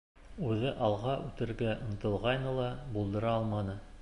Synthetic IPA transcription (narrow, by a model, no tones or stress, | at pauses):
ʉðɘʔɑlˠʁɑʔʉt̪ɘ̆ɾɡæʔŏn̆t̪ɤ̆lˠʁɑjnɤlˠɑbulˠd̪ɤ̆ɾɑɑlˠmɑnɤ